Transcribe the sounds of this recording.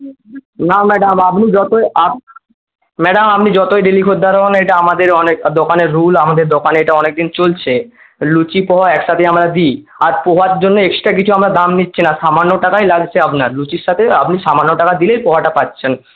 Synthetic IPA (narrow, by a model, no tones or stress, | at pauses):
namɛɖamapnid͡ʑɔt̪oa | mɛɖamapnid͡ʑɔt̪oeɖilikʰod̪ʱːaɾoɦonejʈaamad̪eɾɔnekd̪okaneɾːulamad̪eɾd̪okanejʈaɔnek̚d̪int͡ɕolt͡ɕʰe | lut͡ɕipɔɦaɛkʃat̪ʰeamɾad̪i | aɾpoɦaɾd͡ʑonːoekʃi̥ʈak̬it͡ɕʰuamɾad̪amnitːɕʰinaʃamanːoʈakajlaɡt͡ɕʰeapnaɾlut͡ɕiɾʃat̪ʰeapniʃamanːoʈakad̪ilejpɔɦaʈapatːɕʰen